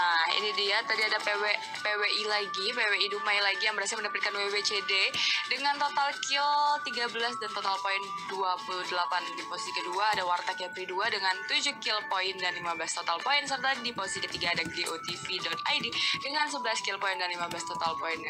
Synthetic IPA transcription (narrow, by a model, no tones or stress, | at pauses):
aḭnidiat̪adiadapewɛʔ | peweʔilaɡipeweidumajlaɡijaŋməɾasaməndapat̪̚kanwewet͡ʃededəŋant̪ot̪alkɪlt̪iɡabəlasdant̪ot̪alpoɪn | duapuludəlapandiposi̥sikəduaːdawart̪akapɾiduadəŋant̪ud͡ʒukɪlpoɪndanlimabəlast̪ot̪alpoɪns̬ərt̪adiposisikət̪iɡaːdaɡeʔot̪ifidɔt̪̚ajdidəŋansəbəlaskɪlpoɪndanlimabəlast̪ot̪alpoɪnj